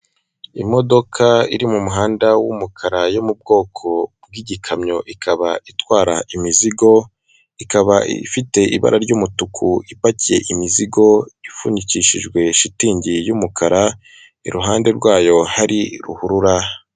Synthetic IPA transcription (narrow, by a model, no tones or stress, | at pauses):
imo̞do̞kʰaiɾimumuɦaːndawumukʰaɾajomub̚ɡo̞ːkʰo̞b̚ɡiɟikʰamɲo̞ʔikʰaβaitwaːɾaʔimiziɡo̞ | ikaβaḭfite̞ʔḭβa̰ɾʔaɾɟumutukʰuipacije̞ʔimiziɡo̞ifuniciʃiʒɡwe̞ʃitiːɲɟijumukʰaɾa | ḭɾuɦaːnde̞ɾɡwaːjo̞haɾiɾṵhuɾuɾa